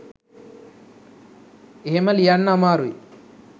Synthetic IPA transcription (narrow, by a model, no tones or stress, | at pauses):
emɐljanːamaːɾuj